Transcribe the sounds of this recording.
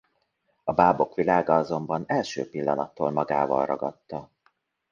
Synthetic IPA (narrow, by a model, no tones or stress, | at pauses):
ɒbaːbo̞kʋilaːɡɒɒzo̞mbɒnɛlʃø̰ːpilːɒnɒt̪ːoːlmɒɡa̰ːvɒ̰lrɒ̰ɡɒt̪ːɒ